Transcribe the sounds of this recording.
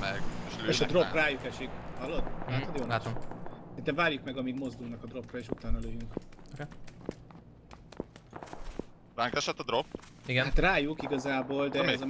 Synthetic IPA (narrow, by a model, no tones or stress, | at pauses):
mɛɡeʃeːʃɒd̪ɾropraːjukɛʃikhɒlːod̪aːt̪od̪joːnasint̪ɛɱvaːrjukmɛɡɒmiɡmo̞zd̪ulnɒkɒd̪ro̞prɒeːʃut̪aːnɒløjyŋko | raŋkɛʃɛt̪ːɒd̪ɾop | iɡɛhat̪raːjukiɡɒzaːboːld̪ɛzɒ